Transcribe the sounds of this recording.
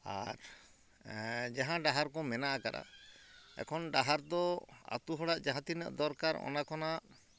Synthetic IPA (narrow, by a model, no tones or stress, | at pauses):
a̰ɾ | d͡ʒaɦãɖaɦaɾkɔmɛnaʔakaɗa̰ | ɛ̰kʰɔnɖaɦaɾd̪ɔa̰t̪uɦɔɽaʔd͡ʒaɦãt̪inə̰ʔd̪ɔɾkaɾɔ̰nakɔnaʔ